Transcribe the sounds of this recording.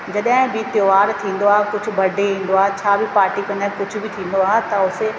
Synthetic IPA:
d͡ʑɐɗɦɪ̃bɪt̪joːʋaːɾt̪ʰĩːn̆d̪oaːɦekʊd͡ʑʱʊ̆bʱɐɖʱeɦĩːn̆d̪oaːɦet͡ɕʰaːbʱɪpaːɾʈikɐ̃nakʊd͡ʑʱʊbʱɪt̪ʰĩːnd̪oaːɦet̪ɐʊse

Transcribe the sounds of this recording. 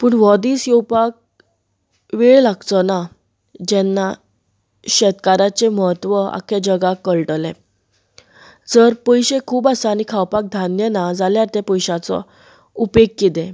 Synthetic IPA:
puːɳʋɔd̪iːsjɔwpak̚ | ʋeɭlaɡt͡s̪ɔna | d͡ʑɛnːa | ɕɛt̪kaɾat͡ɕeməɦət̪ʋəa̰kʰed͡ʑəɡakəɭʈəlḛ | d͡zəɾpəjɕekʰuːbasaañikʰawpak̚d̪ʱanjənad͡zaljaɾt̪epəjɕat͡sɔ̰ | upekːit̪ẽ

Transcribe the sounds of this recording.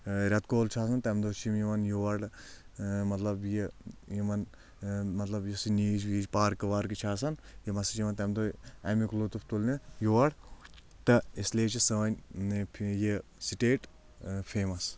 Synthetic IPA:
ɾʲɐt̪koːlt͡ʃʰaːsɐnt̪ɐmd̪oːt͡ʃʰimjimɐnjoʋɐɽ | mɐt̪lɐbjijimɐn | mɐt̪lɐbjisiniːd͡ʒʋiːd͡ʒpaːɾkɐʋaːɾkit͡ʃʰaːs̬ɐnjimɐsit͡ʃʰimɐnt̪ɐmd̪oɛmiklot̪uft̪ulnijoʋɐɽ | t̪ɐisleːt͡ʃʰisɐʋɐnʲ | jisiʈeːʈ | pʰeːmɐs

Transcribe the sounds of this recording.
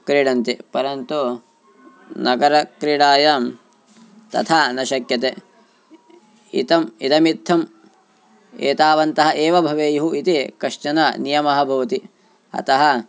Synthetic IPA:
kɾiɽɐnt̪ipɐɾɐnt̪u | nɐɡɐɾɐkɾiɽaːjaːm | t̪ɐ̰t̪ʰaːnɐʃɐkjɐt̪eː | ḭt̪ɐmit̪ɐmit̪ʰːɐm | ḛːt̪aːʋɐnt̪ɐɦɐʔeːʋɐbʱɐʋeːjuɦuʔit̪ikɐʂt͡ʃɐnɐnijɐmɐɦɐbʱɐʋɐt̪i | ɐ̰t̪ɐɦɐ

